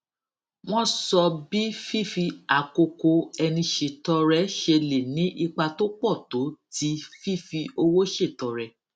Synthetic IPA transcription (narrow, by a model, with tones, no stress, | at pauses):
w̃ɔ̃˦sɔ˧bi˦fi˦˨fi˧a˨ko˧ko˧ɛ˧nĩ˧ʃe˨tɔ˧ɾɛ˧˦ʃe˧le˨nĩ˨˦ʔi˧k͡pa˧to˦k͡pɔ˦˨to˨˦ti˨˦fi˦˨fi˧o˧wo˦ʃe˦˨tɔ˨˧ɾɛ˧